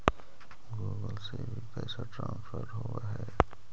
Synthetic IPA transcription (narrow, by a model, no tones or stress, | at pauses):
ɡuːɡəlsebʱipɛːsaʈɾãːnsfəɾɦoaɦɛː